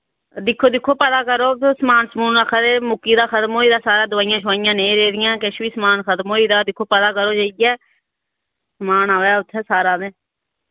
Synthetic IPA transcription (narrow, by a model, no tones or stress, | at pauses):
d̪ɪkʰːoːd̪ɪkʰːoːpɛd̪aːkəɾoːsəmaːnsmuːnaːkʰːd̪eːmʊkːiːd̪aːkʰət̪mɦoːiːd̪aːsaːɾãːd̪ʊʋaːɪjãːʃʰʋaːɪjãːnẽĩːɾeːd̪ɪjãːkeʃʋiːsəmaːnkʰət̪moːiːd̪aːd̪ɪkʰːoːpɛd̪aːkəɾoːd͡ʒaːiɡɛː | smaːnaːʋɛːʊt̪ʰːɛːsaːɾãːd̪eː